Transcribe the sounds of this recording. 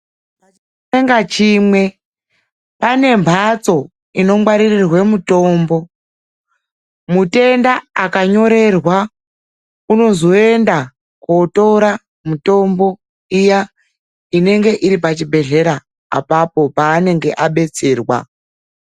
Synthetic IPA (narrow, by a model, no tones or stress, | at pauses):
pat͡ʃ | eŋɡat͡ʃiːmwe̞ | pane̞mbʱat͡so̞ | ino̞mwaɾirirwemuto̞ːmbo̞ | mute̞ndaakaɲo̞ɾe̞rwa | uno̞zo̞e̞nda | koto̞ɾa | muto̞mbo̞ | ija | ine̞ŋɡe̞ʔiɾipat͡ʃibʱe̞ɮe̞ɾa | a̰papo̞paːne̞ŋɡe̞ʔaɓe̞t͡se̞ːrwa̰